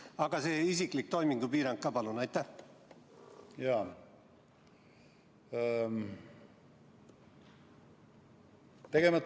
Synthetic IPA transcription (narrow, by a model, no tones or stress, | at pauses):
ɑɡ̥ɑseisiklik̚t̪o̞jmiŋɡupiːɾɑŋkkːɑːpɑlunɑjt̪ːˑæh | jɑː | t̪e̞ɡ̥emɑ